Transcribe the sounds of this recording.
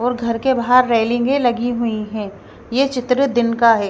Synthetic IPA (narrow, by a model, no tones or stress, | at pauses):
ɔːɾɡʱɐɾkebaɦaɾːeːlɪ̃ŋɡẽlɐɡiɦʊiɦɛ̃ː | jeːt͡ʃɪt̪ɾəd̪ɪnkaɦɛː